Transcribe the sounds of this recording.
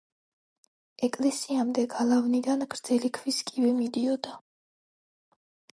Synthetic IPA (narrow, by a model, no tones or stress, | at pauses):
ɛkʼlɛsiamd̪ɛɡalˠavnid̪anɡɾd̪z̥ɛlikʰviskʼivɛmid̪iɔd̪a